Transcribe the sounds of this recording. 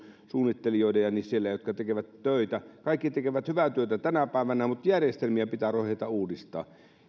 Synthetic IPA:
suːnːit̪ːelijoˑidejɑnissielːæjjot̪kɑt̪ekeʋæt̪tøˑit̪ækɑˑikːit̪ekeʋæt̪hyʋæt̪yøˑet̪æt̪ænæpæˑeʋænæmut̪jærjest̪elmiæpit̪æːroheˑit̪ɑuːdist̪ˑɑ̰ː

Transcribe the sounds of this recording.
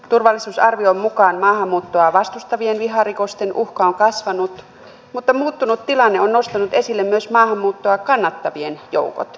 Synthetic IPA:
t̪urʋɑlːisuːsɑrʋioommukɑːnmɑːhɑmːuːt̪ːoɑʋɑst̪ust̪ɑʋienʋiɦɑrikost̪enʔuhkɑoŋkɑsʋɑnut̪ | mut̪ːɑmuːt̪ːunut̪tilɑnːeonnost̪ɑnut̪esilːemmyøsmɑːhɑmːuːt̪ːoɑkɑnːɑt̪ːɑʋienjo̰uko̰t̪

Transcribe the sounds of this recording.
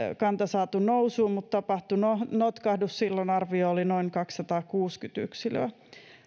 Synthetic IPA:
kɑnt̪ɑsɑːt̪unousuːmmut̪t̪ɑpɑht̪unonot̪kɑhdussilːonɑrʋioolinoiŋkɑksːɑt̪ɑːkuːskyt̪y̰ksilø̰æ

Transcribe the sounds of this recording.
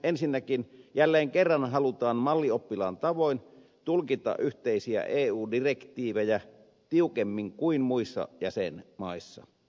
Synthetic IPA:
ʔensinːækinjælːeːŋkerːɑnhɑlut̪ɑːnmɑlːiopːilɑ̰ːnt̪ɑʋoˑin | t̪ulkit̪ˑɑ̰ʔʔyht̪eˑisiæ̰ʔeːuːdirekt̪iːʋejæ | t̪iukemːiŋkuinmuisːɑ̰jæsḛnmɑˑisːɑ̰

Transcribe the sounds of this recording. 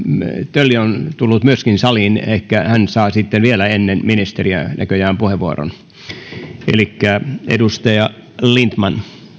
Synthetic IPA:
t̪ølːiont̪ulːut̪myøskinsɑliːneikːæhænsɑːsit̪ːenʋielæenːenminist̪eriæ̰næ̰køjæːmpuheʋʋuo̰ro̰n | ḛlikːæḛdust̪ɑjɑ | lint̪mɑn

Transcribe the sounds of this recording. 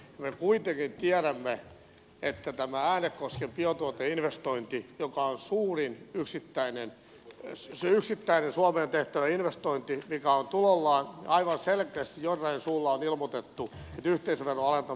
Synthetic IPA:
jɑmekuit̪eŋkint̪iæɾæmːe | et̪ːæt̪æmææːnekkoskempiot̪uot̪einʋest̪oint̪ijokɑonsuːrinyksit̪ːæinen | syksit̪ːæinensuɑmeːnt̪eht̪æʋæinʋest̪oint̪imikæont̪ulolːɑːnɑiʋɑnselkeːst̪ijjorːɑinsuːlːɑonilmot̪et̪ːuet̪yht̪eisʋerːoɑlent̪ɑ

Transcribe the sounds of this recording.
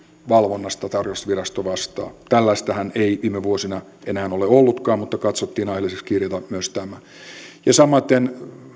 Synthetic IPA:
ʋɑlʋonːɑst̪ɑt̪ɑrjost̪ʋirɑst̪oʋɑst̪ɑ̰ːt̪ælːæist̪æhæneiʋiːmeʋuosinɑ | ʔenæːnoleolːut̪kɑːmmut̪ːɑkɑt̪sot̪ːiːnɑjhelːisekskirjɑt̪ɑmyøst̪æmæ | jɑsɑmːɑt̪ːen

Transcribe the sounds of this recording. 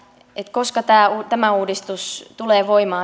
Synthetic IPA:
et̪koskɑt̪æːuːt̪æmæuːdist̪ust̪uleːʋoimɑː

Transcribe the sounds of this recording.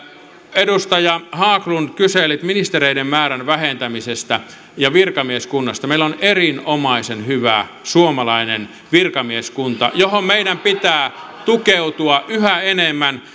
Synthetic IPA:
edust̪ɑjɑhɑːklunkyselit̪minist̪ereiɾemmæːɾænʋæhent̪æmisest̪æ | jɑʋirkɑmieskunːɑst̪ɑmeilonerinomɑisenhyʋæ̰ | suomɑlɑinen | ʋirkɑmieskunt̪ɑ̰johommeiɾæmpit̪æː | t̪ukeut̪uɑʔyhæenemːæn

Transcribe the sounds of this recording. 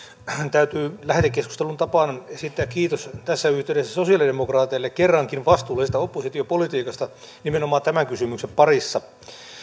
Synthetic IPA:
t̪æyt̪yːlæht̪ekːesku̥st̪elunt̪ɑpɑˑːnesit̪ːeæːkkiːt̪ost̪æsːæyht̪eyɾesːæsosiɑlidemokrɑːt̪iɑlːekkerːɑŋkinʋɑst̪uːlsest̪æopːosit̪iopolit̪iːkɑst̪ɑ | nimenomɑːnt̪æmæŋkysymykseppɑrisːɑ

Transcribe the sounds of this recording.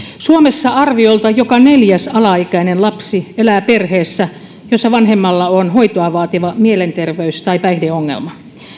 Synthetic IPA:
suomesːɑɑrʋiolt̪ɑjokɑneljæsɑlɑikæinenlɑpsielæːperheːsːæ | josːɑʋɑnɦemːɑlːɑonhoit̪oɑʋɑːt̪iʋɑmielent̪erʋeyst̪ɑipæihdeoŋːḛlmɑ

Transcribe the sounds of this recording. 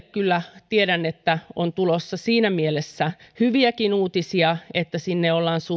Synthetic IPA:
kylːæt̪ieɾænːet̪ːæont̪ulosːɑsiːnæmielesːæhyʋiækinuːt̪isiɑet̪ːæsinːeolːɑːnsu

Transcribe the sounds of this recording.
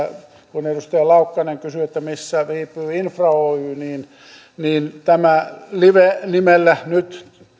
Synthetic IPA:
kunedust̪ɑjɑlɑukːɑneŋkysyet̪ːæmisːæriːpːˑyːinfrɑoːyːniːn | niːnt̪æmæliʋenimelːænyt̪

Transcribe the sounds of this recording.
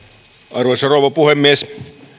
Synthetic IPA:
ɑrʋosɑroʋɑpuhemːies

